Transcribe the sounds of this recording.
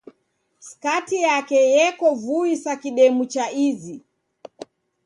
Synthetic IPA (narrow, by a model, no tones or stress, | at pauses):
skatijakɛjɛkɔvuisakiɗɛmut͡ʃaizi